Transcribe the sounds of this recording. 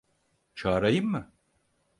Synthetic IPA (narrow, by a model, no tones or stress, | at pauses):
t͡ʃʰaːɾajɯmːɯ